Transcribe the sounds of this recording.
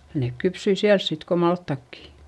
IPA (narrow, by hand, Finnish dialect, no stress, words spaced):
neˑk kypsyi siæls sit ko mɑltːɑkːi